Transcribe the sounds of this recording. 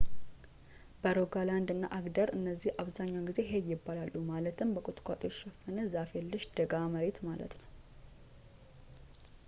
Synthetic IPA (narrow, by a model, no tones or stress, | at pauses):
b̥əɾoɡaland̪ɨnːa̰ʔaɡd̪əɾɨnːəzːihaβzaɲːawɡize̞ɦejːɪbːalalːumalət̪ʰɨmbəkʼut̪ʼkʷʼa̰t̪ʼoʃɛfənəzafelːɨʃd̪̥əɡaməɾe̞t̪malə̰t̪nəw